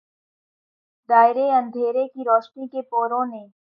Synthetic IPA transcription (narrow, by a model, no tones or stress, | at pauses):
d̪aːɪɾeɐ̃nd̪ʱeːɾekiɾɔːʃnikepoːɾõnẽː